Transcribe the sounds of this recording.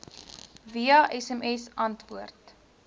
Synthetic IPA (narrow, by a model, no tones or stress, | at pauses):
viɐʔɛsɛmɛsɐntvuərt